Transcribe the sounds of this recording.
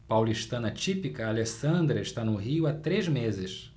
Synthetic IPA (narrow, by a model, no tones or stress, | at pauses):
pawliʃt̪ɐ̃nɐt͡ʃipikɐalesɐ̃nd̪ɾɐɪʃt̪anʊɦiʊat̪ɾezmezɪs